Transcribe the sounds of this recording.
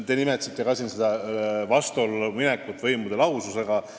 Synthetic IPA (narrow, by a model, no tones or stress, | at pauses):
t̪e̞nime̞t̪sit̪ːˑe̞kɑsinsed̪ɑvɑst̪uolːɑminekːˑut̪ːˑvɤjmud̪e̞lɑwsuse̞ɡ̥ɑ